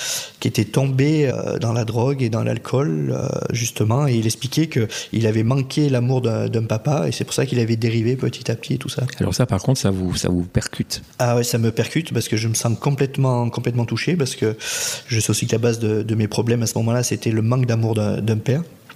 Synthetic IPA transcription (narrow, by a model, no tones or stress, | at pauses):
kʲiet̪ɛt̪ɔ̃beø̰d̪ɑ̃lad̪ʁɔɡed̪ɑ̃lʔa̰lkʰɔlø̰ʒyst̪əmɑ̃eilɛksplikʲɛkəilavɛmɑ̃kʲʰelamuʁd̪ɛ̃d̪ɛ̃papaḛsɛpuʁsakilavɛd̪eʁivepət̪ʰi̥t̪apət̪ʰiet̪usaalʔɔ̰ʁsapaʁkɔ̃t̪χsavusa̰vupɛʁkʲʰyt̪ | awɛsaməpɛʁkʲyt̪paʁsə̥kəʒəməsɑ̃kɔ̃plɛt̪mɑ̃kɔ̃plɛt̪mɑ̃t̪uʃepaʁsə̥kəʒəsɛosikəlabazd̪əd̪əmepχɔblɛmasəmɔmɑ̃laset̪ɛləmɑ̃kd̪amuʁd̪ɛ̰̃d̪ɛ̃pɛʁ